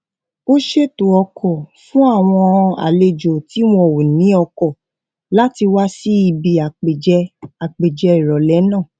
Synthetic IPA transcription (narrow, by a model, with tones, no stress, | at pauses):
o˦ʃe˦to˨ɔ˧kʰɔ˨fũ˦a˦˨w̃ɔ̃˧a̰˨le˨d͡ʒo˨ti˨˦w̃ɔ̃˧˦˨wo˨nĩ˨˦ɔ˧kɔ˦˨ | la˨˦ti˧wa˦si˦i˧bi˨a˨k͡pe˨d͡ʒɛ˧a˨k͡pe˨d͡ʒɛ˧i˨ɾɔ˨lɛ˨˦nãː˦˨